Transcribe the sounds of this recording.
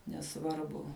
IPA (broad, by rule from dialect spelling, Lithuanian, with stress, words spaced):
nʲɛˈsʋɐrbʊ